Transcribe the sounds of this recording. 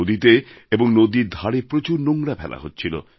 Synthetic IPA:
od̪it̪e | eboŋnod̪iɾd̪ʱaɽepɾot͡ɕuɾnoŋɾapʰɛla̰ɦotːt͡ɕʰilo̰

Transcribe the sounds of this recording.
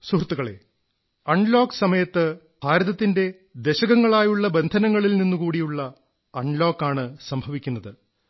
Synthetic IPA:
surt̪ːuɣɐɭe̞̰ | ɐɳlo̞ːksɐmɐjɐt̪ːɨ | b̥ʱaːɾɐðɐt̪ːinde̞ | d̪e̞ɕɐɣɐŋːɐɭaːjuɭːɐbend̪ʱɐnɐŋːɐɭilninːukuːɽijuɭːɐ | ɐɳlo̞ːkːaːɳɨsɐmbʱɐʋikʲːunːɐðɨ

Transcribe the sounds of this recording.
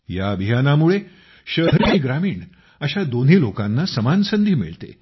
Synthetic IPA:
ja̰əbʱijanamuɭe | ɕəɦɾniɡɾamiːɳ | əɕad̪on̤iːlokanːasəmansənd̪ʱiːmḭɭt̪ḛ

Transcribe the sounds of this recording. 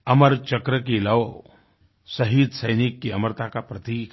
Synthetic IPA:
ɐməɾt͡ʃɐkɾəkilɐʋ | sɐɦiːd̪sɐjnikːiɐməɾt̪akapɾɐt̪iːk

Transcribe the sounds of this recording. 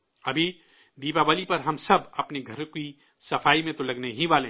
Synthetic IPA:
ɐbʱi | d̪iːpaʋaːlipɐɾɦɐmsɐbɐpneɡʱɐɾki | sɐfaːimẽt̪olɐɡneɦĩʋaːlẽ

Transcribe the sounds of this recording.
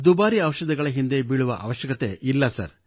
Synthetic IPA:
d̪ubaːɾiɐʋɐʃɐd̪ɐɡɐɭɐɦind̪ebiɭuʋɐ̰ʔɐ̰ʋɐʃjɐkɐt̪e̞ʔilːɐsɐ̰ɾ

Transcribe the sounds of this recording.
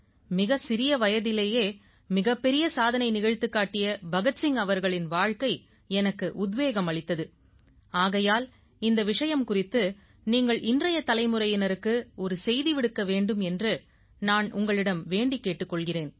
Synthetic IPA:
mɪɣɐsɪɾɪjɐʋɐjɐðɪleːjeː | mɪɣɐpːɛɾɪjɐsaːðɐnɐɪnɪɣɐɻt̪ːɯkːaːʈːɪjɐbɐɣɐt͡ʃɪŋɐʋɐɾɣɐɭɪnʋaːɻkɐɪ | ɛnɐkːɯʔʊd̪ʋeːɣɐmɐɭɪt̪ːɐðɯ | aːɣɐjaːl | ɪnd̪ɐʋɪʂɐjɐmkʊrɪt̪ːɯ | niːŋɡɐɭʔɪndrɐjɐt̪ɐlɐɪmɯɾɐjɪnɐɾɯkːɯɔɾɯsɛjðiʋɪɽɯkːɐʋeːɳɖɯmɛndrɯ | naːnʔʊŋɡɐɭɪɽɐmʋeːɳɖikːeːʈːɯkːɔɭɣɪreːn

